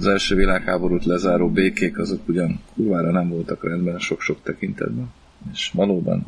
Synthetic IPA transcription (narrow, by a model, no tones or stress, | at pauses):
ɒzɛlʃøːvilaːkhaːbo̞ɾut̪lɛzaːɾoːbeːkeːkɒzo̞kːuɟɒŋkuːrvaːɾɒnɛɱvo̞lt̪ɒkrɛnd̪bɛnʃo̞kʃo̞k̚t̪ɛkint̪ɛ̰d̪bɛn | eːʃʋɒloːbɒ̰n